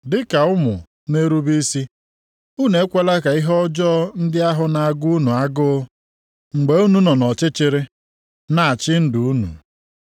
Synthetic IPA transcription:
dɪ˦ka˨ʊ˦mʊ˨ | ne˦ɾu˦bi˦si˦ | u˦ne˨˦kʷe˦la˦ka˨i˦ɦɔ˦d͡ʒɔ˦n̩˦dɪ˦a˦ɦʊ˦na˨a˨ɡu˦u˦nu˨a˦ɡʊ˦ | ŋ͡m̩˨ɡ͡be˨u˦nu˦nɔ˨nɔ˨t͡ʃɪ˦t͡ʃɪ˨ɾɪ˦ | na˨a˨t͡ʃɪ˦n̩˦du˨u˦nṵ˨

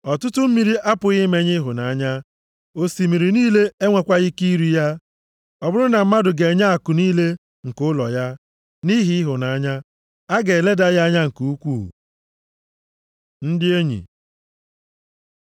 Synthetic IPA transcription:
ɔ˨tʊ˦tʊ˦m̩˦mi˦ɾi˦ʔa˦pʊ˨ɣɪ˦me˦ɲɪ˦ɦʊ˨na˨a˨ɲa˦ | o˦si˨mi˨ɾi˨niː˦le˦e˦ŋʷe˨kʷa˦ɣɪ˦ki˦ɾu˦ja˦ | ɔ˨bʊ˦ɾʊ˦na˨m̩˦ma˦dʊ˨ɡe˨e˨ɲa˦a˨kʊ˨niː˦le˦ | ŋ̩˨kʊ˦lɔ̰˨ja˦ | ni˦ɦi˦ɪ˦ɦʊ˨na˨a˦ɲa˦ | a˦ɡe˨le˦da˦ja˦a˦ɲa˦ŋ̩˨ku˨u˦kʷṵː˦˨ | n̩˦dɪ˦e˦ɲḭ˨

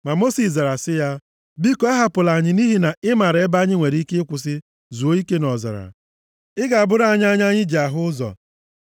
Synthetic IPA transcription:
ma˨mo˦si˨sza˨ɾa˨sɪ˦ja˦ | bi˦ko˨˦a˦ɦa˦pʊ˨la˨ɲɪ˦ni˦ɦi˦na˨ɪ˦ma˨ɾe˦ba˦ɲɪ˦ŋʷe˨ɾi˦ke˦ɪ˦kʷʊ˨s̬ɪ˦ | zu˨o˦i˦ke˦nɔ˨za̰˨ɾa̰˨ | ɪ˦ɡa˨a˨bʊ˦ɾa˦˨ɲ˦a˦ɲ˦a˦ɲɪ˦d͡ʒi˨a˨ɦʊ˦ʊ˦zɔ̰˨

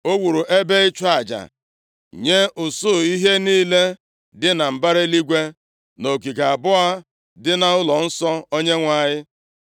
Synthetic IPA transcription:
o˦wu˨ɾu˨ʔe˦be˦ɪ˦t͡ʃa˦˨d͡ʒa̰˨ | ɲe˦ʔʊ˨sʊ˦˨i˦ɦe˦niː˦le˦ | dɪ˦na˨m̩˨ba˦ɾe˦li˦ɡʷe˦ | no˨k̬i˨ɡa˨a˨bʊ˦a˦ | dɪ˦na˨ʊ˦lɔ˨n̩˦sɔ˦o˦ɲe˦ŋʷa˨ɲɪ˦

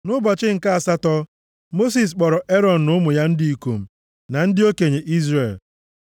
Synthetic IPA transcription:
nʊ˦bɔ˨t͡ʃɪ˦ŋ̩˨ka˦a˨sa˦tɔ˦ | mo˦s̬i˨s̬k͡pɔ˨ɾɔ˨ʔe˦ɾɔ˨n̩˨nʊ˦mʊ˨ja˦n̩˦di˦i˨ko˨m̩˨ | na˨n̩˦dɪ˦o˦ke˨ɲe˨ʔi˦zre˨l

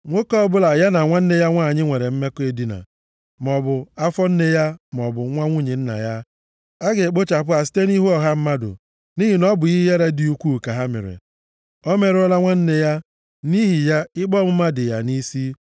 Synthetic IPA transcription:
ŋʷo˦kɔ˦bʊ˦la˨ja˦na˨ŋʷa˦n̩˦ne˦ja˦ŋʷaː˦˨ɲɪ˦ŋʷe˨ɾe˨m̩˦me˦ke˦di˦na̰˨ | m˨ɔ˨bʊ˨a˦fɔ˦n̩˦ne˦ja˦m˨ɔ˨bʊ˨˦ŋʷa˦ŋʷu˦ɲe˨n̩˦na̰˨ja˦ | a˦ɡe˨k͡po˦t͡ʃa˨p̬ʊ˦a˨si̥˦te˦ni˦ɦu˦ɔ˨ɦa˦m̩˦ma˦dʊ̰˨ | ni˦ɦi˨nɔ˦bʊ˨ɣi˦je˦ɾe˦di˨u˦kʷu˦˨ka˨ɦa˦mḛ˨ɾḛ˨ | ɔ˦me˨ɾɔ˦la˦ŋʷa˦n̩˦ne˦ja˦ | ni˦ɦi˨ja˦ɪ˦k͡pɔ˦˨mʊ˦ma˦dɪ˨ja˨ni˦si˦

